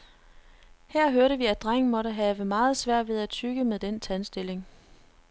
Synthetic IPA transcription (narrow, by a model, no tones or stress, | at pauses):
hæɐ̰ɦøɐɾəʋiæd̥ʁaŋ̰n̩mɒ̽ɾəɦɛːʋəmɑ̈ːð̞̩ˠsʋæɐ̰d̥ʋe̝ð̞ˠæt͡sʰyɡ̥əmeðˠd̥ent͡sʰænsd̥e̝le̝ŋ